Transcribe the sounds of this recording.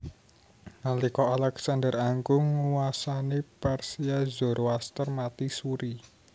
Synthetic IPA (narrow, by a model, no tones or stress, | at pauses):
ŋalikɔalɛksandəraŋkʊŋːuwasaniparsiazɔrwast̪ərmat̪isuɾi